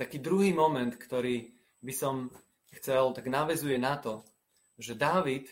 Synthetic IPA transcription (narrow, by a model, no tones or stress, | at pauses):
t̪akiːd̪ɾuɦiːmɔmɛnt̪kt̪ɔɾiː | bisɔm | xt͡sɛlt̪aɡnaʋɛzujɛnat̪ɔ | ʒɛd̪aːʋit̪